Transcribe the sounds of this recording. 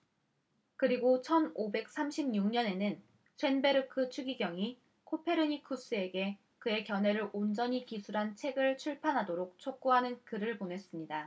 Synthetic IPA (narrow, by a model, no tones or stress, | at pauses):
kɯɾiɡot͡ɕʰʌnobe̞k̚s͈amɕʰimɲuŋɲʌne̞nɯn | sʰwe̞nbe̞ɾɯkʰɯt͡ɕʰuɡiɡjʌŋi | kʰopʰe̞ɾɯɲikʰus͈ɯe̞ɡe̞ | kɯe̞kjʌnɦe̞ɾɯɾʔond͡ʑʌɲikisʰuɾɦant͡ɕʰe̞ɡɯɭt͡ɕʰuɭpʰanɦadoɾok̚t͡ɕʰok̚k͈uɦanɯnkɯɾɯɭpone̞s͈ɯmɲida